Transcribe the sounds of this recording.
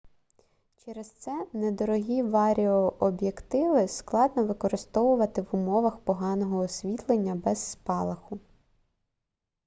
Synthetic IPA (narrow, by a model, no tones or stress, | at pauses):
t͡ʃɛɾɛst̪sɛnɛd̪ɔɾɔɦʲiʋɑɾʲiɔʔɔbjekt̪ɪʋɪsklˠɑd̪nɔʋɪkɔɾɪst̪ɔʋʊʋɐt̪ɪʋʊmɔʋɐxpɔɦɑnɔɦɔːsʲʋʲit̪lˠenʲːɐbɛzːpɑlˠɐxʊ